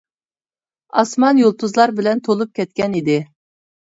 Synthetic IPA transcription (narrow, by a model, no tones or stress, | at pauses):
ɑsmɑnjolˠt̪ʰuzlˠɑɾbɪlɛnt̪ʰolˠup̚kʲʰɛt̪̚kʲɛnid̪ɪ